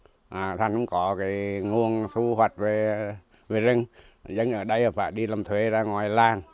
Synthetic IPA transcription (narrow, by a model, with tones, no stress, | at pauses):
ʔaː˨˩t̪ʰa˨˩ŋʔʊ̰˧˦ŋ͡mkɔ˨˦ka˨˦jŋu˧˩əŋsʰu˧hwa˨˩jt̚ve˨˩ | ve˨˩zɨ˨˧˩ŋ | zə˨˧˦ŋʔəː˧˩ɗə˧jəː˨˩faː˧˩jɗi˧la˨˩mt̪ʰwe˨˦zaː˧ŋwaː˨˩jlaː˨˩ŋ